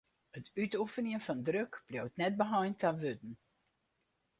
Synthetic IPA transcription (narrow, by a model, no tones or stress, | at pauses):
ətytufəniənfɔndrøkb̥ljowtnɛt̚bəɦɔjntaʋøtn̩